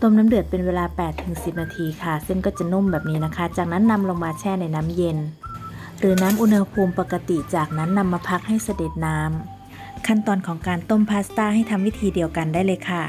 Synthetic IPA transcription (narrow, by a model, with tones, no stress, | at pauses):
t̪o˧˥˨mnaː˦˥mdɯ˨˩ət̪̚pe˨nweː˧laː˧pɛː˨˩t̪ʰːɯ˨˩˦ŋsi˨˩p̚naː˧t̪ʰiː˧kʰa˧˩se˥˩˨ŋkɔː˧˩t͡ɕa˧˩˨no˥˨mbɛː˨˩p̚niː˦˥na˧˥˩kʰa˦˥˩t͡ɕaː˨˩k̚na˦˥˨nːa˧˥mlo˧ŋmaː˧t͡ɕʰɛː˧˥˩na˧˥jnaː˦˥˨mje˧n | ɾɯː˩˦naː˦˥mʔu˧nhha˧pʰuː˧mpa˨˩ka˧t̪i˨˩t͡ɕaː˨˩k̚na˦˥˨nːa˧˥mːaː˧pʰa˧˥k̚ha˥˩jsa˧de˨˩t̪̚naː˦˥m | kʰa˥˩˨nt̪ɔː˧nkʰɔː˩˦ŋkaː˨nt̪o˥˨mpʰaː˧˥st̪aː˧˥˩ha˥˩jt̪ʰa˧mwiː˦˥˩t̪ʰiː˧di˨˧əwka˨ndaː˥˩˨jlɤː˧˩jkʰa˧˥˩